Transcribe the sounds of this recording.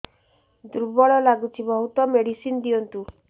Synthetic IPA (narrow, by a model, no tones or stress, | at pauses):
d̪uɾbɔɭɔlaɡut͡ʃʰibɔɦut̪ɔmeɽisind̪iɔnt̪u